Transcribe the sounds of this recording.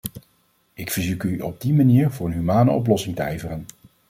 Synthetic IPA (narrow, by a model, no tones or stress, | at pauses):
ʔɪkfəɹzukyʔɔb̚dimaniːɹvʊːɹənɦymaːnəɔ̰p̬lɔsɪŋtəɛjvərən